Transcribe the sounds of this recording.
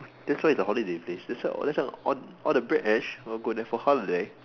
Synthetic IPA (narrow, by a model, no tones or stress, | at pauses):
d̥ɛtswaɪisəhɔlidepʰlesdɛsɔ̰lɛtsɛɔ̰̃nɔldəbɹɛk̚ɛt͡ʃwiɡodɛ̃fɔhɔlide